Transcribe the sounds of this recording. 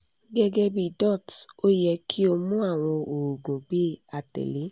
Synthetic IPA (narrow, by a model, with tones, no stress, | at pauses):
ɡɛ˦ɡɛ˦bi˦˨dɔ˦˨to˦jɛ˧kʰi˦o˧mũ˦a˦˨w̃ɔ̃˧o˨ɾu˨ɡɔ̃˨bi˦˨a˧tɛ̰˨le˨˦